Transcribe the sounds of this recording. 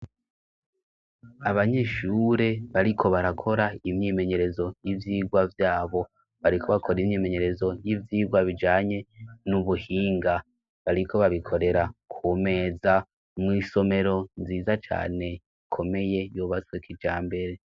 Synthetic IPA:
aβaɲe̞ʃuɾe̞βaɾikʰo̞βaɾakʰo̞ɾaimɲime̞ɲe̞ɾe̞zo̞jivjiːɡwavjaːβo̞ | βaɾikʰo̞βakʰo̞ɾimɲime̞ɲe̞ɾe̞zo̞jivjiːɡwaβid͡ʒaːɲe̞nuβuhiːŋɡa | βaɾikʰo̞βaβikʰo̞ɾe̞ɾakʰume̞ːza | mŋiːso̞me̞ɾo̞nziːzat͡ʃa̰ːne̞ | ikʰo̞me̞je̞juβaswekʰid͡ʒaːmbe̞ɾe̞

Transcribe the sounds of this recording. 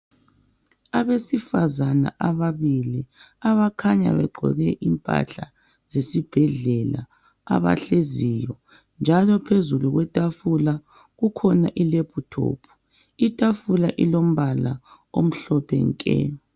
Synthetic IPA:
aβesifazana̰ʔaβaβiliaβakʰaɲa̰βɛɡ͡ǃʱɔ̰ɣɛʔimpʼa̰ɬa | zesib̥ʱɛɮɛla̰ | a̰βa̰ɬezijɔ | nd͡ʒʱalɔpʰezuluɣwɛtʼafula | ɣukʰɔnaʔilepʰutʰo̰ːpʰu̥ | itʼafulaʔilom̩βala | om̩ɬɔpʰɛ̰ŋkʼɛ̰

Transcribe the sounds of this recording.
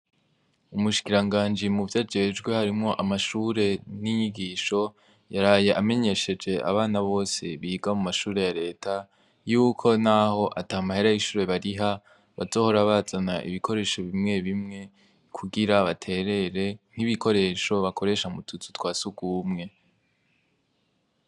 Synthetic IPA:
umuʃi̥kiɾaŋɡaːnd͡ʒimuvjad͡ʒe̞ːd͡ʒɡwe̞haɾimŋo̞ʔamaʃuːɾe̞niɲiɡiːʃo̞ | jaɾaːje̞ʔame̞ɲe̞ʃe̞d͡ʒe̞a̰βaːnaβo̞ːse̞βiːɡamumaʃuːɾe̞jaɾe̞ːtʰa | juːkʰo̞naho̞ʔataamahe̞ɾajiʃuːɾe̞βaɾiɦa | βazo̞ːho̞ɾaβazanaʔḭβikʰo̞ɾe̞ːʃo̞βimŋe̞βimŋe̞ | kʰuɡiɾaβatʰe̞ːɾe̞ɾe̞n̥iβikʰo̞ɾe̞ːʃo̞βako̞ɾe̞ːʃamutʰut͡su̥twaːsuɡuːmŋe̞

